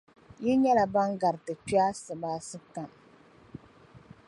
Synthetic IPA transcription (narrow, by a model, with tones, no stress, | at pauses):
ji˦ɲɛ˦la˨ba˦ŋɡa˨ɾɨ˨tɨ˨pi˦a˦sɨ˨baː˦sɨ˦ta˨ŋ